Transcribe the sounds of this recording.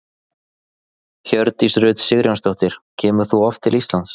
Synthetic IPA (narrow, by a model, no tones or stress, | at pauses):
çœɾt̪isrʏːt̪sɪɣɾjanst̪ɔht̪ɪɾ̥cʰɛːmʏθuɔft̪ʰːɪlist̪lant̪s